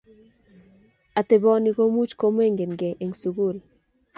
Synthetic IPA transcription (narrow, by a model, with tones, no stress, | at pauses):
a˨t̪e˨bɔ˦ni˨ko˦mu˦t͡ʃko˦m˦e˦ŋɡe˨nɡɛ˨ʔe˨ŋsu˨ɡu˦˨l